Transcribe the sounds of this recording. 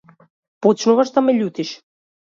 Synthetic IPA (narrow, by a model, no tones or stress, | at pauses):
pɔt͡ʃnuvaʃd̪amɛʎut̪iʃ